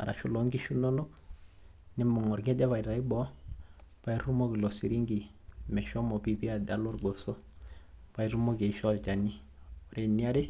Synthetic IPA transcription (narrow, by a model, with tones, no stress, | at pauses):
a̰˨ɾa̰˨ʃu˦lɔ˨ŋɡi˦ʃu˦nɔ˦nɔ˦k | nɛ˦mɔ˨ŋɔ˨ɾɡɛ˦d͡ʒa˦βa˨i˨ɾa˨i˦bɔ˨˦pa˨i˦ɾu˦mɔ˦ɡi˨lɔ˨si˨ɾi˦ŋɡi˨ | mɛ˨ʃɔ˦mɔ˨pi˦˨pi˦a˦da˨lo˦ɾbo˨so˦ | pa˨i˨ɾu˦mɔ˦ɡe˨ʃɔ˦lt͡ʃa˨ni˦ | ɔ˨ɾe˨ni˦a˦ɾe˦